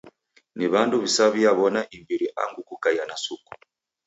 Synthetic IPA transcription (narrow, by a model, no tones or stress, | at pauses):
niβanduβisaβiaβɔnaʔimbiɾiʔa̰ŋɡukukajanasuku̥